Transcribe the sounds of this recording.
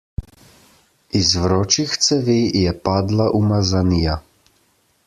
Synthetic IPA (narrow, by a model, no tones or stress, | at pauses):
izʋɾɔːt͡ʃixt̪sɛʋeːjɛpaːd̪laʔumazanija